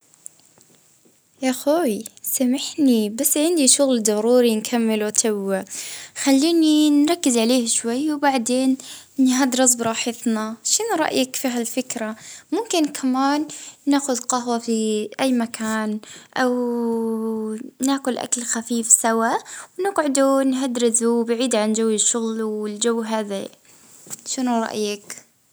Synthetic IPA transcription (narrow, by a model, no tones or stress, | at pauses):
jaxoːjsamaħnibasːʕɪnd̪iʃʊɣld̪ˤɑɾuːɾinkʰamːɪlwt̪ʰawːaxalːiːninɾˤɑkːɪzʕaleːhʃwajːwbaʕd̪eːn | nhad̪ɾˤɑs̬bɾˤɑːħɪt̪ˤnaʃɪnɾˤɑ̰ʔjakfiɦalfɪkɾamʊmkɪnkʰamaːnːaːxʊd̪qɑɦwafiʔajːmakʰaːnʔaw | naːxʊlʔa̰kalxafiːfsawawnɪɡʕɪd̪unɦad̪ɾɪzubaʕiːd̪ʕand͡ʒawːɪʃːʊɣlwɪld͡ʒawːɦaːða | ʃɪnuɾˤɑ̰ʔjak